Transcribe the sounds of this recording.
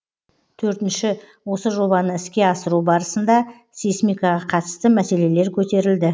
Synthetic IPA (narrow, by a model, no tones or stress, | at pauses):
t̪ʰɵɾt̪ɪnʃɪ | wo̞səʒo̞bɑnəɪskʲe̞ɑsəɾubɑɾəsənd̪ɑ | sesmijkɑʁɑqʰɑt̪əst̪əmæse̞le̞le̞ɾkʲʰɵt̪e̞ɾɪld̪ɪ